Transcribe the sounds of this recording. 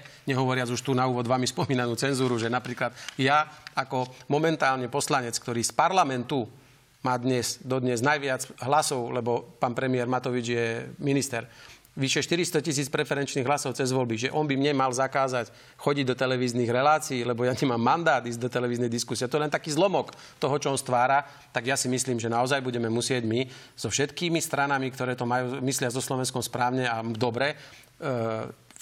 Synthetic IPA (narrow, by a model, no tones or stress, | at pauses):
ɲɛɦɔʋɔɾɪad͡zuʃt̪uːnauːʋɔd̪ʋaːmispɔmiːnanuːt͡sɛnzuːɾuʒɛnapɾiːklat̪jaakɔmɔmɛnt̪aːlɲɛpɔslaɲɛt͡skt̪ɔɾiːspaɾlamɛnt̪u | maːd̪ɲɛz̥d̪ɔd̪ɲɛznajʋɪat͡sɦlasɔʊlɛbɔpaːnpɾɛmiɛɾmat̪ɔʋid͡ʒjɛminist̪ɛɾ | ʋiʃɛʃt̪iɾist̪ɔcis̬iːt͡spɾɛfɛɾɛnt͡ʃniːɣɦlasɔʊt͡sɛzʋɔlbiʒɛʔɔnbimɲɛmalzakaːzac | xɔɟiɟd̪ɔt̪ɛlɛʋiːzniːɣɾɛlaːt͡siːlɛbɔjaɲɛmaːmːand̪aːd̪iːzɟd̪ɔt̪ɛlɛʋiːznɛjd̪iskusiɪɛt̪ɔjɛlɛnt̪akiːzlɔmɔk | t̪ɔɦɔt͡ʃɔɔnst̪ʋaːɾa | t̪aɡjasimisliːmʒɛnaɔzajbuɟɛmɛmusɪɛɟmi | z̥ɔfʃɛt̪kiːmist̪ɾanamikt̪ɔɾɛːt̪ɔmajuːmislɪazɔslɔʋɛnskɔmspɾaːʊɲɛamud̪ɔbɾɛ